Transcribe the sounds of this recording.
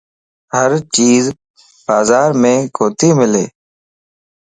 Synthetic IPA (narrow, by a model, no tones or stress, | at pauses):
həɾt͡ʃiːz | baːzaːɾmẽːkoːt̪ʰiːmɪleː